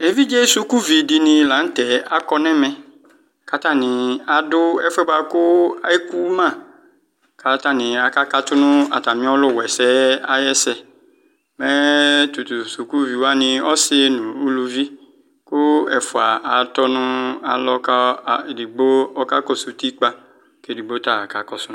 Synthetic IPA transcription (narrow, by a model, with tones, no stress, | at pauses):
e˨vi˦d͡ʒe˦su˨ku˦vi˨dɪ˨nɪ̃˨la˨˦n̩˦t̪ɛ˨a˦kɔ˦nɛ̃˦mɛ̃˦ | ka˦t̪a˦˨nɪ̃˨a˨dʊ˦ɛ˦fɛ˦ba˨kʊ˦a˦e˦ku˦mã˦˨ | ka˨t̪a˦˨nɪ̃˨a˨ka˦ka˦t̪ʊ˦nʊ̃˦a̰˨t̪a˨mĩ˦ɔ˦lʊ˦˨wɛ˨sɛ˦a˦jɛ˦sɛ˦ | mɛ̃˦t̪u˨t̪u˨su˨ku˦vi˨wo˦a˦nĩ˨ɔ˦sɪ˦e˦nũ˨u˦lu˨vi˦ | kʊ˦ɛ˨fo˨a˨a˨t̪ɔ˦nũ˦a˨lɔ˦ka˦˨e˨di˨ɡ͡bo˦ɔ˦ka˦kɔ˦su˨t̪i˦k͡pa˦ | ke˦˨di˨ɡ͡bo˦t̪a˦˨ka˨kɔ˨sʊ˦n˦